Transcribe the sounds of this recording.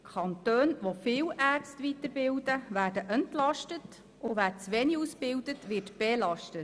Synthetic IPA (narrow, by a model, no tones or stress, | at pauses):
kʰɑnt̪øːnʋofɪːwʔæːrt͡stvitəɾbɪwdəvæːdəʔəntlɑʃtət | ʊʋæːɾt͡sʋɛniusbɪwdətʋɪːtb̥elɑʃtət